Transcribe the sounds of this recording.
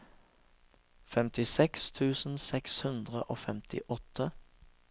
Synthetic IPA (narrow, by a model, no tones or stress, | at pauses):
fɛmt̪ɪsɛkst̪ʰʉːsn̩sɛkshʉnd̪ʁəʔoːfɛmt̪ʰɪ̰ʔɔt̪ʰə